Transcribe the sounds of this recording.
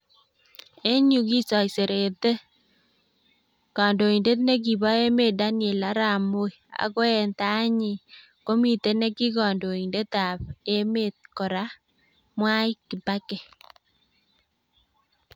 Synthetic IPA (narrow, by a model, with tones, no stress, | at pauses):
e˦ɲu˨ɡi˦sɔ˨jse˨ɾe˨t̪e˦ | kɔ˨ndo˨i˨nde˦t̪ne˦ɡ̬i˨ba˦e˦me˦˨da˦nje˨la˦ɾa˨mo˦i˨a̰˨kɔ˦ɛ˦nt̪a˦ɲɪ˨ | ko˦mi˨t̪e˦ne˦kɪ˦kɔ˨ndo˨i˨nde˦t̪a˨pe˦me˦t̪̚kɔ˨ɾa˦ | mwa˦ɪ˦kɪ˨ba˦ke˨